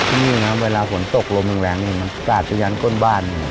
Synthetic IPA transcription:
t̪ʰiː˧˥˩niː˥˩na˦˥weː˧laː˧fo˩˦nt̪o˨˩k̚lo˧ma˨˩ŋlɛː˩˦ŋniː˧˩ma˧n˧kaː˨˩t̪̚t͡ɕa˧ɲaː˨˦˥nko˥˩˨nbaː˥˩nːi˧˩˨

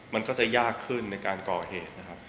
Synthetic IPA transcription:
ma˧nkɔː˥˩t͡ɕa˨˩jaː˥˩kʰːɯ˥˩nːa˧jkaː˧nkɔː˨˩heː˨˩t̪̚na˦˥kʰa˦˥p̚

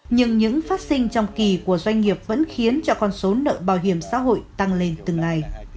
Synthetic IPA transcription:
ɲɨ˧ŋɲɨ̰˧˥ŋfaː˦˥t̚sï˧ŋ̟t͡ɕɔ˧wŋ͡mki˨˩ku˧˩əzwa˧jŋ̟ŋi˨˩əp̚və̰˧˥nxi˨˦ənt͡ɕɔ˧kɔ˧nso˨˦nə̰ː˧˨ɓaː˧˩wɦi˧˩əmsa̰ː˧˥ɦo̰˧˨jt̪a˧ŋle˧nt̪ɨ˨˩ŋa˨˩j

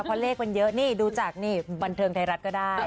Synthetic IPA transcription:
kʰɔ˧nleː˥˩k̚ːa˧njɤ˦˥ʔniː˥˩duː˧t͡ɕa˨˩k̚niː˥˩ba˧nt̪ʰɤː˧ŋt̪ʰa˧jɾa˦˥t̪̚kɔː˥˩daː˥˩j

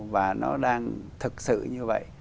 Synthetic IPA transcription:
vaː˨˩nɔ˨˦ɗaː˧ŋt̪ʰɨ˨˩k̚sɨ̰˧˨ɲɨ˧və̰˧˨j

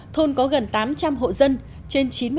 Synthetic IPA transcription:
t̪ʰo˧nkɔ˨˦ɣə˨˩nt̪aː˨˦mt͡ɕa˧mɦo̰˧˨zə˧n | t͡ɕe˧nt͡ɕi˨˦nmɨ˧

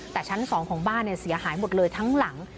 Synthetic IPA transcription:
t̪ɛː˨˩t͡ɕʰa˦˥nsɔː˩˦ŋkʰɔː˩˦ŋbaː˥˩nːɛ˧˥˩si˨˩˦ɐɦaː˩˦jmo˨˩t̪̚lɤː˧jt̪ʰa˦˥ŋla˩˦ŋ

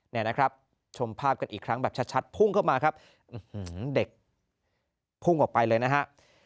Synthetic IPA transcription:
nɛː˥˩na˦˥kʰɾa˦˥p̚ | t͡ɕʰo˧mpʰaː˥˩p̚ka˧nʔiː˨˩kʰɾa˦˥ŋbɛː˨˩t͡ɕʰa˦˥t̪̚t͡ɕʰa˦˥t̪̚pʰu˥˩ŋkʰa˥˩wmaː˧kɾa˦˥p̚ | ʔɯ˨˧˩hɯː˦˩de˨˩k̚ | pʰu˥˩ŋʔɔː˨˩k̚pa˧jlɤː˧jna˦˥ɦa˦˥ʔ

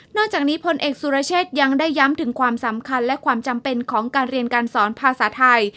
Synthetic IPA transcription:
nɔː˥˩k̚t͡ɕaː˨˩k̚niː˦˥pʰo˧nʔeː˨˩k̚suː˧ɾaː˧˥t͡ɕʰeː˥˩t̪̚ja˧ŋdaː˥˩jːa˦˥mt̪ʰɯ˩˦ŋkʰwaː˧msa˩˦mkʰa˧nlɛ˦˥kʰwaː˧mt͡ɕa˧mpe˧nkʰɔː˩˦ŋkaː˧nɾi˧ənkaː˧nsɔː˩˦npʰaː˧saː˩˦t̪ʰa˧j

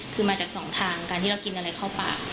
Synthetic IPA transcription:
kʰɯː˧maː˧t͡ɕaː˨˩k̚sɔː˩˦ŋt̪ʰaː˧ŋkaː˧nt̪ʰiː˥˩a˧wki˧nʔa˧ɾa˧jkʰaː˥˩wpa̰ː˨˩

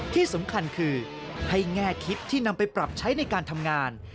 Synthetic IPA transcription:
t̪ʰiː˥˩so˩˦mkʰa˧nkʰɯː˧ | ha˥˩jŋɛː˥˩k̪ʰi˦˥p̚t̪ʰiː˥˩na˧mpa˧jpɾa˨˩p̚t͡ɕʰa˦˥jna˧jkaː˧nt̪ʰa˧mŋaː˧n

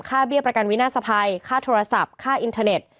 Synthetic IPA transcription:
kʰaː˥˩bi˥˩əpɾa˧ka˧nwi˦˥naː˥˩sa˧pʰaː˧jkʰaː˥˩t̪ʰoː˧ɾa˧sa˨˩p̚kʰaː˥˩ʔi˧nt̪ʰaː˧ne˨˩t̪̚

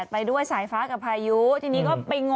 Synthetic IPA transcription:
t̪̚pa˧jdu˥˩əjsaː˩˦jfaː˦˥ka˨˩pʰːaː˧ju˦˥t̪ʰiː˧niː˦˥kɔː˥˩pa˧jŋo˧

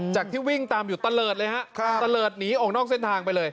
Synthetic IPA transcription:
t͡ɕaː˨˩k̚t̪ʰiː˥˩wi˥˩ŋt̪aː˧mjuː˨˩t̪a˧lɤː˨˩t̪̚lɤː˧jha˦˥ʔt̪a˧lɤː˨˩t̪̚niː˦˥ʔɔː˨˩k̚nɔː˥˩kse˥˩nt̪ʰaː˧ŋpa˧jlɤː˧j

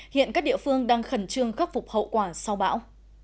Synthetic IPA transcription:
hḭ˧˨ənkaː˦˥k̚ɗḭ˧˨əfɨ˧əŋɗaː˧ŋxə˧˩nt͡ɕɨ˧əŋxa˦˥p̚fʊ˨˩k͡p̚hə̰˧˨wkwaː˧˩sa˧wɓa̰ː˧˥w

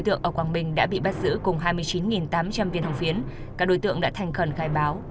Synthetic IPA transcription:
jt̪ɨ̰˧˨əŋʔəː˧˩kwaː˧˩ŋɓï˨˩ŋ̟ɗa̰ː˧˥ɓḭ˧˨ɓa˦˥t̚zɨ̰˧˥kʊ˨˩ŋ͡mɦaː˧jmɨ˧əjt͡ɕi˨˦nŋi˨˩nt̪aː˨˦mt͡ɕa˧mvi˧ənhə˨˩wŋ͡mfi˨˦ən | kaː˦˥k̚ɗo˨˧˦jt̪ɨ̰˧˨əŋɗa̰ː˧˥t̪ʰɛ˨˩ŋ̟xə˧˩nxaː˧jɓaː˨˦w

